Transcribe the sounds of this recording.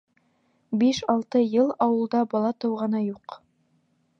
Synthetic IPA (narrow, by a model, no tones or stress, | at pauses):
biʃɑlˠt̪ɤjɤlˠɑwɤ̆lˠd̪ɑbɑlˠɑt̪ɤ̆wʁɑnɑjuq